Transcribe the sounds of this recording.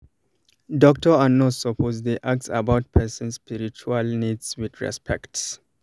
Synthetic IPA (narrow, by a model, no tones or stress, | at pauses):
dɔk̚tɔanɔtsɔpʰozdeʔak̚sa̰baʊt̚pʰɛsɔ̃nsspiɹit͡ʃualnidswid̪ɹɛ̰spʰɛ̰kts